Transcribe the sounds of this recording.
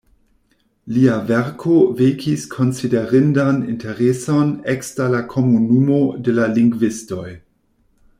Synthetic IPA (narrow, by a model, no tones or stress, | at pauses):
liaveɾkʰovekʰiskʰo̞nsideɾɪndanḭnteɾeso̞nekstalakʰo̞munumode̞laliŋɡvisto̞j